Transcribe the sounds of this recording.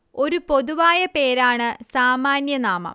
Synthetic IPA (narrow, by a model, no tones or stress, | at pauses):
o̞ɾupo̞ðuʋaːjɐpe̞ːɾaːɳɨsaːmaːnjɐnaːmɐ̰m